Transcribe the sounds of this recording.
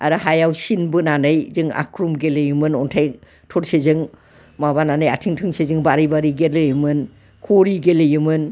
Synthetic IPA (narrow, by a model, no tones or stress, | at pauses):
aɾɯɦajawsinbɯnanɯjzɯŋa̰kʰɾumɡelɯjumɯnɔntʰaj | tʰɔɾsezɯŋ | mabananɯja̰tʰiŋtʰɯŋsezɯŋbaɾijbaɾiɡelɯjɯmɯn | kʰoɾiɡelɯjɯmɯn